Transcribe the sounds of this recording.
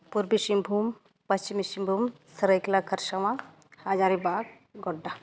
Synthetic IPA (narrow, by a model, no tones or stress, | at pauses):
puɾbiʃimbʱum | pɐst͡ʃimisimbʱuːmsɐɾəiklakʰɐɾʃaʋã | had͡ʒaːɾibaːɡ | ɡɔɖːa